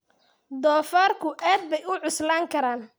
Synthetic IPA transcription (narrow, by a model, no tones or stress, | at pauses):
d̪ɔːfaːrkʰʊʔaːd̪̚bɛjʊʕʊslaːŋkʰɐɾaːn